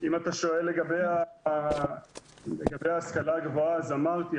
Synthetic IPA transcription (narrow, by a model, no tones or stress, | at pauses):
imat̪aʃo̞elːe̞ɡabeja | leɡabejaːskalaːɡvoaːzamaʁt̪i